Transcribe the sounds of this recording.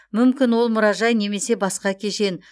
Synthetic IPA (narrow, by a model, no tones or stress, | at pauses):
mʏmkʲɪnwo̞lˠmʊɾɑʒɑjne̞me̞se̞bɑsqɑkʲʰe̞ʃe̞n